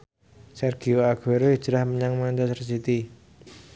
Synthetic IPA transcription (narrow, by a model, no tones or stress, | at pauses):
sɛrɡ̥ioaɡ̥eɾoi̥d͡ʒɾahməɲaŋmant͡ʃasərsit̪i